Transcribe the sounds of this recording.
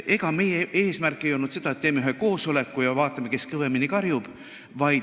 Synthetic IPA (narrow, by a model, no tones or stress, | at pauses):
ʔe̞ɡ̥ɑme̞jee̞ːsmærkˑːejo̞lnut̪se̞d̪̥ɑet̪̚ːeːmeyɦheko̞ːso̞le̞kːˑujɑvɑːt̪ːˑɑmeke̞skɤveminːikɑrjub̥ | vɑj